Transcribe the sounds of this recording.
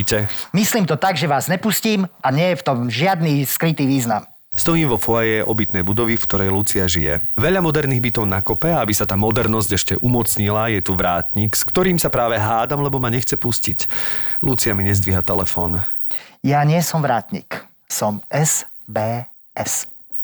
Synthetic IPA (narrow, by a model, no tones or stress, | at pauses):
cɛmisliːmt̪ɔt̪aɡʒɛʋaːzɲɛpusciːmaɲɪɛjɛft̪ɔmʒɪad̪niːskɾit̪iːʋiːznam | st̪ɔjiːmʋɔfɔɛjɛʔɔbit̪nɛjbud̪ɔʋifkt̪ɔɾɛjlut͡siaʒijɛ̰ʋɛʎamɔd̪ɛɾniːɣbit̪ɔʊnakɔpɛaabisat̪aːmɔd̪ɛɾnɔzɟɛʃcɛʔumɔt͡sɲilajɛt̪uʋɾaːt̪ɲikskt̪ɔɾiːmsapɾaːʋɛɦaːd̪amlɛbɔmaɲɛxt͡sɛpusciclut͡siamiɲɛzd̪ʋiɦat̪ɛlɛfɔːn | jaɲɪɛsɔmʋɾaːt̪ɲḭk | sɔmɛs | bɛː | ɛs